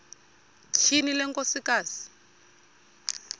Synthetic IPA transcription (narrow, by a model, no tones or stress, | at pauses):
t͡ʃʰinilɛŋkosikaːsi̥